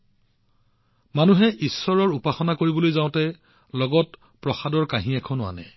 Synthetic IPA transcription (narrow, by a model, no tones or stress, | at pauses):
manuɦɛʔisːɔɹɔɹupaxɔnakoɹibolojzaʊ̃tɛ | lɔɡɔt | pɹɔxadɔɹkaɦĩɛkʰɔnʊwa̰nɛ̰